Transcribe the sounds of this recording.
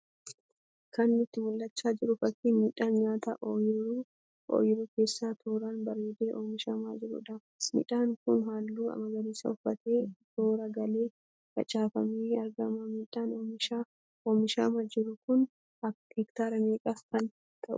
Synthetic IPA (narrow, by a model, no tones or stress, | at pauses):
kʰɐnːɪt̪ːɪmʊlːɐt͡ʃːaːd͡ʒɪɾʊfɐkːiːnmiːᶑaːnɲaːt̪ɐ̰ʔoːjɪɾuː | o̰ːjɪɾuːke̞ːsːaːt̪ʰoːɾaːnbɐɾeːd̪eːʔoːmɪʃɐma̰d͡ʒɪɾʊ̰ᶑɐ | mḭᶑaːŋkʊnɦaːlːuːɐ̰mɐɡɐɾiːsɐ̰ʊfːɐt̪e̞ːt̪oːɾɐɡɐle̞ː | kɐ̰t͡ʃʼaːfɐmeːɐɾɡɐmɐmiːᶑaːnːmɪʃa | oːmɪʃa̰ːmɐd͡ʒɪɾʊkʊn | ɐhɛkt̪aːɾɐmeːkʼaːfkɐn | t̪ʰɐʔʊ̰ʊ